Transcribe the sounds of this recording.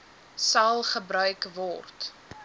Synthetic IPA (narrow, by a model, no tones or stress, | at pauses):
sɐlˠχəbɾœɥkvɔrt